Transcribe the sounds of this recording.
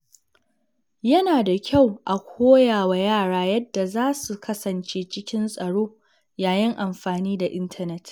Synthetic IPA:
jɐ˦naː˨da˨kʲʰa˦˨wʔa˨kʷʰoː˦jaː˨wa˨jaː˦˨ɽaː˦jɐ˦dːa˨zaː˦su˨kʰɐ˦sɐ˨nt͡ʃeː˦t͡ʃɪ˦kʲɪ˦nsʼɐ˨ɽoː˦ | jaː˨jɪ˦ŋʔa˨mɸaː˨niː˦da˨ʔɪ˦ntʰɐ˦nɛ˦t

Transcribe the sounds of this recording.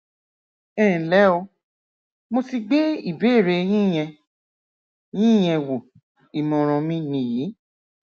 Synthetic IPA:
ɛː˦˨lɛ˨˦o˧ | mo˧ti˧ɡ͡be˦i˦˨be˨˦˨ɾe˧j̃ĩ˦˨j̃ɛ̃˧ | jĩ˦˨j̃ɛ̃˧wo˨ | i˨mɔ̃˨ɾ̃ɔ̃˧mĩ˦nĩ˧˨ji˨˦

